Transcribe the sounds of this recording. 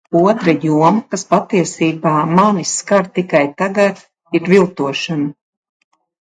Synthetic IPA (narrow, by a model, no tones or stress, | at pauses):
uɔt̪ɾajuɔmkaspat̪iɛsiːbaːmaniskaɾt̪ikajt̪aɡat̪ | iɾvilˠt̪uɔʃana